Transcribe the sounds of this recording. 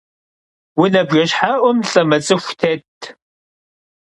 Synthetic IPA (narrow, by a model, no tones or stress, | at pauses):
wʊnɐbʒɐɕħaːʔʷɔmɬʼɐmɐt͡sʼɨxʷtʰeːtʰ